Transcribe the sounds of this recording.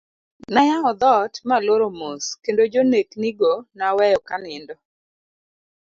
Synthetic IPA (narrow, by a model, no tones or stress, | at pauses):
najaŋɔd̪ɔtmaloɾomoskendod͡ʒonekniɡonawɛjɔkanɪndɔ